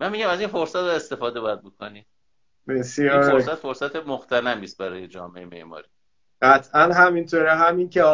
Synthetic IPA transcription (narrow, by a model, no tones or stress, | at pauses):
mæmːiɟæmæziːnfo̞ɾsæt̪̚ːest̪e̞fɒːd̪eɒjæd̪̚bokʰoniː | besjɒiːɾfosæt̪fo̞ɾsæt̪ʰemoxt̪ʰænæmiːst̪̚bæɾɒːjed͡ʒɒ̰ːmeemḛʔmɒ̰ɾi | ɢæt̪ʰʔænɦæmint̪ʰoːɾɛɦæmincʰe